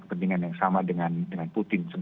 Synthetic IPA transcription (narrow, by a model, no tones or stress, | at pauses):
kə̥pəndiŋanjaŋsamadəŋandəŋanput̪ɪnsəb